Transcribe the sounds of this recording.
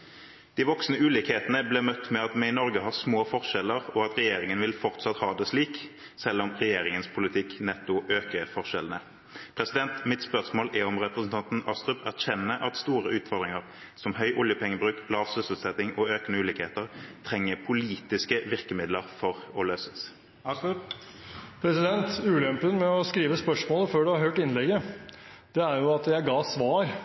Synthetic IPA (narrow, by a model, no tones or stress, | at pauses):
d̪̥ɪːʋɔksnəʉːlɪkheːt̪nəbleːmœt̪ːmɛɑt̪mɛɪnɔʁɡəɦɑːsmoːfɔʁʂɛləʁɔɑt̪ʁɛjeːɾɪŋənʋɪlfɔʁt̪sɑt̪hɑːd̪ɛsliːk | sɛlːɔmʁɛjeːɾɪŋənspʰʊlɪt̪ʰɪknɛt̪ːʊʔøːkəfɔʁʂɛlənə | pʰʁɛsɪd̪ɛnt̪mɪt̪spœʁsmoːlʔæɔmʁɛpʁəsn̩t̪ʰɑnt̪n̩ɑst̪ʁʉpæʁçɛnːəʔɑt̪st̪uːʁəʔʉːt̪fɔʁd̪ʁɪŋəʁ | sɔmhœʏʔʊljəpʰɛŋːəbʁʉːklɑːʋsɪsəlt̪sɛt̪ɪŋɔøːkənəʉːliːkheːt̪əʁt̪ʰʁɛŋːəpʰʊliːt̪ɪskəʋɪʁkəmɪd̪ləʁfɔʁɔløːsə̥s | pʰɾɛsɪd̪ɛnt̪ʉːlɛmpənmɛɔskɾiːʋəspœʂmoːləføːɖʉhɑɾhøːʈɪnlɛɡə | d̪̥ɛæɾjʊɑt̪jæɪɡɑːsʋɑːɾ